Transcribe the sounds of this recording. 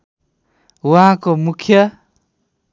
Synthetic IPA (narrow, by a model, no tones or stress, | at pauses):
waɦãkomukʰjʌ